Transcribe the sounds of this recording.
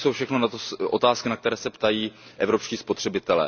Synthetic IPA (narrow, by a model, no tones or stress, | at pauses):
sowfʃɛxnonat̪oʔot̪aːskɪnak̚t̪ɛɾɛːsɛpt̪ajiːʔɛvɾo̞pʃciːspot̪r̥ɛbɪt̪ɛlɛ̰ː